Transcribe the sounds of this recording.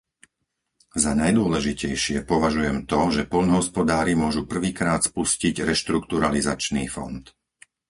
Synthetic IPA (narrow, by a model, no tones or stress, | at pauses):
zanajd̪ʊɔlɛʒicɛjʃɪɛpɔʋaʒujɛmt̪ɔʒɛpɔʎnɔɦɔspɔd̪aːɾimʊɔʒupr̩ʋiːkɾaːt̪spusciɟɾɛʃt̪ɾukt̪uɾaliza̰t͡ʃniːfɔ̰nt̪